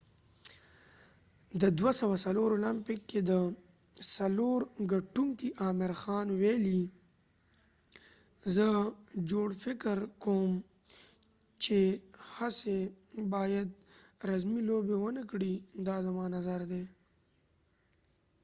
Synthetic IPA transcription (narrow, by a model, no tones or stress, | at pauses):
d̪əd̪wasawasaloɾolampɪkːed̪ə | saloɾɡaʈuŋkiʔɑːmɪɾxɑːnweli | zəd͡ʒoɽfɪkɾkom | t͡ʃehasebɑːjad̪ɾazmilobewənəkɽid̪ɑzamɑnazaɾd̪e